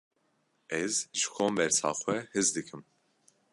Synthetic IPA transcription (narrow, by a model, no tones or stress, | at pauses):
ɛzʒɨkʰoːmbɛɾsɑ̰ːxʷɛhɨzd̪ɨkʰɨm